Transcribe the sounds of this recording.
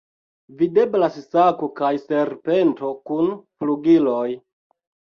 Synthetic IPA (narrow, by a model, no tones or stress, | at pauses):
vide̞blassakokajseɾpe̞nto̞kunfluɡilo̞j